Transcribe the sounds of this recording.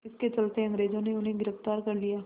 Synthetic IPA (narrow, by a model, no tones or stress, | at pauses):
ɪsket͡ʃəlt̪eə̃ŋɡɾeːzõneʊnɦẽɡɪɾəft̪aːɾkɐɾlijaː